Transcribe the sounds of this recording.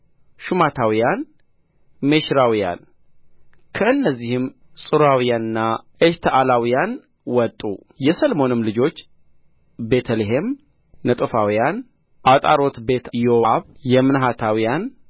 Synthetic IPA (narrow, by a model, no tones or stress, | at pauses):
ʃumat̪ʰawijan | meʃɾawija̰n | kʰəɨnːəzːihɨm | sʼɨɾawijanɨnːaʔest̪ʰəʔalawijan | wɔt̪ʼːu | jɛsəlmo̞nɨmlɨd͡ʒo̞t͡ʃː | be̞t̪ʰəleɦe̞m | nət̪ʼɨfawijan | ʔat̪ʼa̰ɾo̞t̪be̞t̪ʰjowaβjɛmɨnɦat̪ʰawijan